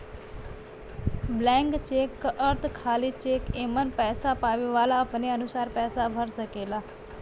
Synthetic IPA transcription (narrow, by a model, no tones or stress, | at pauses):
blɛ̃ːŋkt͡ʃeːkːʔəɾt̪ʰkʰaːlit͡ʃeːkeːmənpɛːsapaːʋeʋaːlaəpneənʊsaːɾpɛːsabʱəɾsəkeːlaː